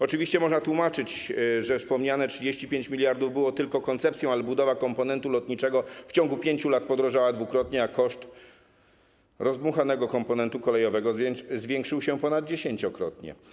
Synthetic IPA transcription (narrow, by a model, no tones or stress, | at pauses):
ɔt͡ʂɘvʲiɕt͡ɕɛmɔʐnat̪wumat͡ʂɘt͡ɕʐɛfspɔmɲanɛtʂɘd͡ʑeɕt͡ɕipʲjeɲt͡ɕmʲilʲjaɾd̪uvbɘwɔt̪ɘlkɔkɔnt̪sɛp̚t̪sʲjɔ̃w̃alɛbud̪ɔvakɔmpɔnɛnt̪ulɔt̪ɲit͡ʂɛɡɔft͡ɕɔ̃ŋɡupʲjeɲt͡ɕulat̪̚pɔd̪ɾɔʐawad̪vukɾɔt̪ɲɛakɔʂt̪ | ɾɔzbuxanɛɡɔkɔmpɔnɛnt̪ukɔlɛjɔvɛɡɔzzvʲjeŋkʂɘwɕɛpɔnad̪̚d͡ʑeɕeɲt͡ɕɔkɾɔ̰t̪ɲɛ̰